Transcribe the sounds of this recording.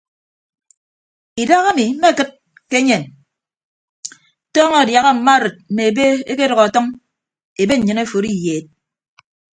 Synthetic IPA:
i˨da˦ɣa˦mi˨m̩˦me˦kɨ˦t̚ | ke˦ɲe˨n | tɔː˦ŋɔ˦˨dja˨ɣa˦m̩˨ma˦ɾɨ˨t̚m̩˨me˨e˨be˦e˦ke˦ɾɔ˨ɣa˨a˨tɔ˦ŋ | e˨be˦ɲ̩˨ɲɨ˨ne˦fo˨ɾi˦jeː˨t̚

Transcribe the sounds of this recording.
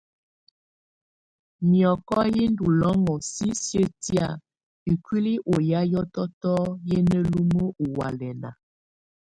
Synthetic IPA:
mjɔ˨kɔ˦ji˦ndu˨lɔ˦ŋɔ˨si˦sjə˦tja˦˨ | i˨kwi˦li˦ʔo˨ja˦jɔ˦tɔ˦tɔ˦je˦nə˦lu˦mə˦u˨wa˨lɛ˨na˨

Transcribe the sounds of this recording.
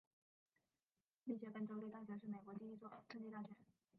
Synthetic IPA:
mi˥˩t͡ɕʰjɛ˧˥pə˥˩nʈ͡ʂo˥t̪e˥˧ɪt̪a˥˩ɕɥɛ˧˥ʂɻ̩˥˩me˨˩ɪkwɔ˧˥t͡ɕi˥i˥˧t͡swɔ˥˩ʈ͡ʂɤ˥˧ŋt͡ɕi˥˧t̪a˥˩ɕɥɛ˧˥˦n

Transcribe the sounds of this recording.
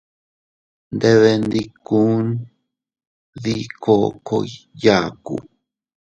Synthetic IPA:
nd̪e˧βe˧nd̪i˧ku˦n | ði˦ko˦˧ko˧ja˦˨kṵ˨

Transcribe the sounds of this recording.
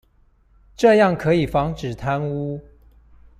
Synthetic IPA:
ʈ͡ʂɤ˥˧jɑ˥˩ŋkʰɤ˧˥i˨˩fɑ˧˥ŋʈ͡ʂɻ̩˨˩t̪ʰa˦˥nu˦˥

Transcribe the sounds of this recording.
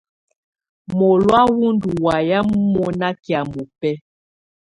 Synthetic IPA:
mɔ˨lwa˦wu˦ndu˨wa˨ja˦m̩˦mɔ˨na˦ki˨a˨mo˨pɛ˦

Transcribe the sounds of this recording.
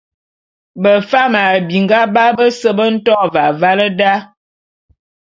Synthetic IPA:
bə˨fa˦ma˨bi˨ŋɡa˦ba˦bə˦sə˦bə˦n̩˦tɔ˦˨va˨va˦lə˦da˦

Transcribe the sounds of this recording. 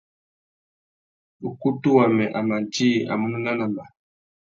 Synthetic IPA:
u˨ku˦tu˦wa˨mɛ˨ʔa˨ma˨n˨ti˦˨a̰˨mu˦nu˦na˦na˨ma˨

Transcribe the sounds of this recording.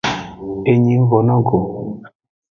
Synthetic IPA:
e˨ɲi˨˦ŋ˦vɔ˨nɔ˦ɡo˨

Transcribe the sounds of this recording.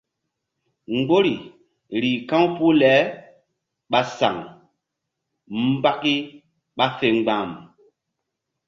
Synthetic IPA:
ŋ˦ɡ͡bo˦ɾi˨ | ɾi˨kã˦wpu˦lɛ˨˦ | ɓa˦sa̰˨ŋ | m˦ba˦ki˦ | ɓa˦fe˨ŋ͡mɡ͡bã˨m

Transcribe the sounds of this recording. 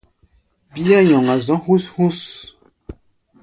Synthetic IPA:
bi˦a˦ɲɔ˨ŋa˨zɔ̃˨˦hu˦shu˦s

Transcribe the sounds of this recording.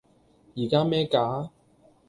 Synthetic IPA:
jiː˨˩kaː˥mɛː˥kaː˨˥

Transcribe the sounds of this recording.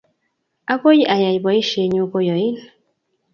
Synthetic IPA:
a˦ko˦ji˦ʔa˨ja˨jbɔ˨i˦ʃe˨ɲu˦ko˦jɔ˨i˦n

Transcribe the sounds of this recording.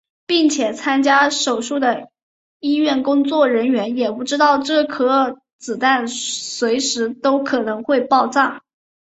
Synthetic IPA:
pi˥˩ŋt͡ɕʰjɛ˨˩t͡sʰa˥nt͡ɕja˥ʂo˨˩ʊʂu˥˩d̪ə˩ | i˥ɥɛ˥˩nkʊ˥ŋt͡swɔ˥˩ɻə˧˥nɥɛ˧˥njɛ˨˩pu˥˩ʈ͡ʂɻ̩˥t̪ɑ˥˧ʊʈ͡ʂɤ˥˩kʰɤ˥ | t͡sɹ̩˨˩t̪a˥˩nswe˧˥ɪʂɻ̩˧˥t̪o˥ʊkʰɤ˨˩nɤ˧˥ŋxwe˥˧ɪpɑ˥˧ʊʈ͡ʂɑ˥˩ŋ

